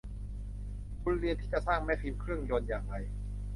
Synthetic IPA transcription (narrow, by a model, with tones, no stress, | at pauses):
kʰu˧nɾi˧ənt̪ʰiː˥˩t͡ɕa˨˩saː˥˩ŋmɛ˦˥fʰi˧mkʰɾɯ˥˩əŋjo˧njaː˨˩ŋɾa˧j